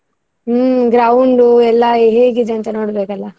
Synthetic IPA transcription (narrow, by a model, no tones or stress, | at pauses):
ɡɾɐwɳɖuɛlːɐɦeːɡid̪eɐnt̪ɐnoːɽbeːkɐlːɐ